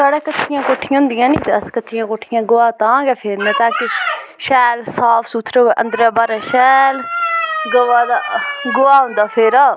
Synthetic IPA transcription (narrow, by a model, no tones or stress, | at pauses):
saːɽeːkət͡ʃːʃʰɪjãːkoːʈʰɪjãːɦʊ̃nd̪ɪjãːnĩːd̪askətːʃʰijãːkoːʈʰːɪjãːɡʊːaːt̪ãːɡɛːpʰeːɾmɛ̃ːt̪ãːkɪʃɛːlsaːpʰsuːt̪ʰɾeoʔə̃nd̪ɾaːbaːɾaːʃɛːlɡ̪oʋaːd̪aːɡʊaːɦʊ̃nd̪aːpʰeːɾaː